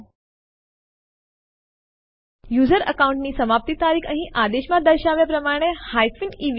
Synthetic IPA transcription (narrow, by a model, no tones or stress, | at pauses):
juːzəɾəkauɳʈniːsəmap̚t̪it̪aɾiːkʰəɦĩʔad̪eɕmad̪əɾɕaʋjəpɾəmaɽ̃ehajfiniːʋ